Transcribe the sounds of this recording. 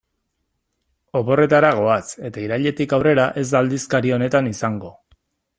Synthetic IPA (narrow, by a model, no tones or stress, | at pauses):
o̞βo̞re̞t̪aɾaɣ̞o̞ase̞t̪aiɾaʎe̞t̪ikawre̞ɾaʔe̞zd̪ald̪iskaɾio̞ne̞t̪anisaŋɡo̞